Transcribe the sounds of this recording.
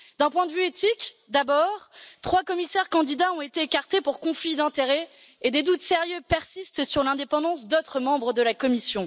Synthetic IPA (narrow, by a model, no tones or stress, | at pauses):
d̪ɛ̃pwɛ̃d̪əvyet̪ik | d̪abɔːʁt̪χwakɔmisɛʁkɑ̃d̪id̪aɔ̃et̪eːkaʁt̪epuʁkɔ̃flid̪ɛ̃t̪eʁɛ | ed̪ed̪ut̪seʁjøpɛʁsist̪syʁlɛ̃d̪epɑ̃d̪ɑ̃sd̪ot̪χəmɑ̃bʁəd̪əlakɔmisjɔ̃